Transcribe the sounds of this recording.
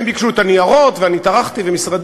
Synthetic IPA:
mbikʃut̪aniaʁot̪veanit̪aʁaχt̪ivemisʁad̪

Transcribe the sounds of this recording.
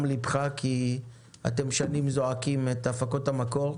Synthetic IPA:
mlibχakʰi | a̰te̞mʃanimzoakimetafako̞tamako̞ʁ

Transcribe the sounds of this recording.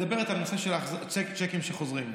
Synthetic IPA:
d̪abe̞ʁet̪halnose̞ʃelaχzat͡ʃekt͡ʃekimʃeχo̞zʁim

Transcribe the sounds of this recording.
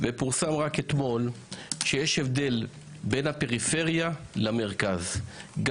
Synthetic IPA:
vepuʁsamʁaket̪mo̞l | ʃejeʃevd̪e̞l | be̞nhape̞ʁife̞ʁjalame̞ʁkazɡ

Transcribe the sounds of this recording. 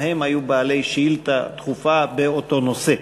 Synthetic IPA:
he̞mhajubaːle̞jʃiilt̪a̰t̪χufabeoto̞no̞se

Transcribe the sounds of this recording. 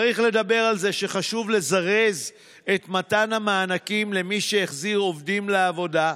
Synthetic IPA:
ʁiχle̞d̪abe̞ʁalze̞ʃe̞χaʃuvle̞zaʁe̞z | etmatanamaːnakimle̞miʃeeχziʁo̞vdimleavo̞da

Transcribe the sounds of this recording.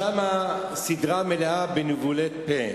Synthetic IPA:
ama | sid̪ʁameleabenuvulet̪pe

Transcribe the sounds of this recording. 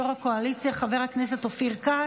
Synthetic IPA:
oʁakoalit͡sijaχave̞ʁhaknese̞t̪ofiʁka

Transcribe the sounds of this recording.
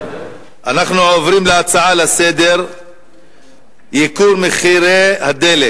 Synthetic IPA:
ʔanaχnuʕovɾimleat͡saʕalase̞d̪e̞ɾ | jikuɾmeχiɾehad̪e̞let

